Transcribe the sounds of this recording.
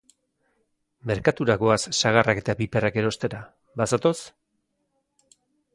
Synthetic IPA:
me̞ɾkat̪uɾaɣo̞asːaɣarake̞t̪abipe̞rake̞ɾo̞st̪e̞ɾa | basat̪o̞s

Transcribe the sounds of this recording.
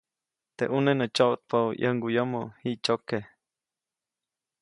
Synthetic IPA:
t̪ḛʔunenət͡ʃoʔt̪̚paʔjʔə̰ŋɡujəmohiʔt͡ʃoke

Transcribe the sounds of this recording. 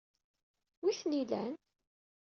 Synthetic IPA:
wiθnilæ̰n

